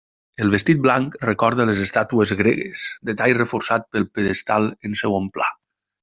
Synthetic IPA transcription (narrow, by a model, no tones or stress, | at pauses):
əlˠβest̪it̪̚blaŋkrekɔɾð̞əlezest̪at̪uəzɣɾḛɣḛsd̪et̪ajrəfoɾsat̪̚pəlˠpeðest̪alˠənsewompla̰